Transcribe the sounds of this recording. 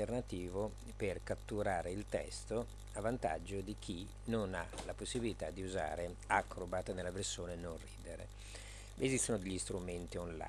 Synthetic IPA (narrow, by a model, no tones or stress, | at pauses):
ernat̪iːvo | perkat̪ːuɾaːɾeilt̪ɛ̰st̪o | avːant̪a̰d͡ʒːod̪ik̟i | nona̰laposːibilit̪ad̪iuza̰ːɾe | akːɾobat̪nelːaversoːnenonriːd̪eɾḛ | ezist̪onod̪eʎːist̪ɾument̪iɔnla̰